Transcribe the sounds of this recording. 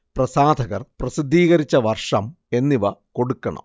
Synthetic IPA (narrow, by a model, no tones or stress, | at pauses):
prɐsaːd̪ʱɐɣɐrprɐsid̪ʱːiːɣɐɾit͡ɕːɐʋɐrʂɐm | e̞nːiʋɐko̞ɽukːɐɳɐ̰m